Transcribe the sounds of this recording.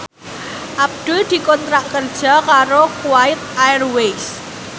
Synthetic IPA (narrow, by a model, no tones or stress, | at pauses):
ʔab̚d̪̥ʊld̪̥i̤kɔnt̪ɾaʔkərd̥ʒ̥a̤kaɾokuwaɪt̪̚ajrwejs